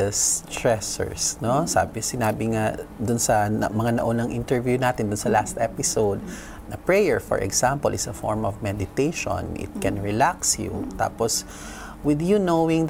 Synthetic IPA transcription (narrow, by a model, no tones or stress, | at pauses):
st̪ɹɛsɛ̰ɹsnosa̰ːbɪsɪnaːbɪŋad̪ʊnsɐmɐŋanɐʔonɐŋʔɪnt̪ɛɹvjunaːt̪ɪnd̪ʊnsɐlast̪ʔɛpɪsowd̪̚ | nɐpɹɛjɛɹfɔ̰ɹʔɛ̰ɡsãmpɔ̰lʔɪsɐfɔ̰ɹmɔvmɛd̪ɪt̪ejʃõ̰nʔɪ̰t̪̚kɛnɹɪlaksjṵt̪a̰ːpɔs | wɪðjunowɪŋ